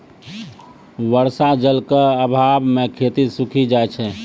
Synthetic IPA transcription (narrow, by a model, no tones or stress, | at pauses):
ʋəɾsad͡ʒəlkəəbʱabmẽkʰeːt̪isukʰid͡ʒaet͡ʃʰɛ